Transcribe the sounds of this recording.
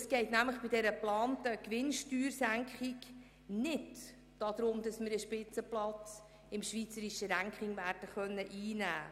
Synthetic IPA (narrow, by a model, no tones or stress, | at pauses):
sɡ̥ɛɪtnæmləχb̥idɛɾəplɑːntəkʋɪnʃtyːrsæŋkχɪk | nɪd | d̥ɑd̥̪ɾʊmd̥ɑsmɪɾəʃpɪt͡səplɑt͡s | ɪmʃʋiːt͡səɾiʃəɾæŋkχɪŋʋæːɾd̥əχœnːəʔiːnæ̰ː